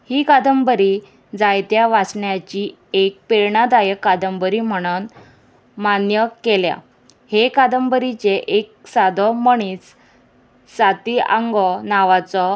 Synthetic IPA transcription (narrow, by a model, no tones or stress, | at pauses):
hiːkad̪əmbəɾi | d͡zajt̪jaʋasɳjat͡ɕi | ek̚peɾɳad̪ajəkːad̪əmbəɾim̤əɽ̃un | manjəkelja̰ | hekad̪əmbəɾit͡ɕeʔek̚sad̪ʱɔməɳ̃iːt͡s | sat̪iaŋɡɔnaʋat͡sɔ